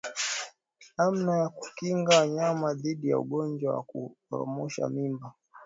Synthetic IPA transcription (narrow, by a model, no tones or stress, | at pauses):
nam̩najaku̥kiŋɡawaɲamaðiɗija̰ṵɠɔɲd͡ʒwawa̰kuɾɔ̰mɔʃa̰mimba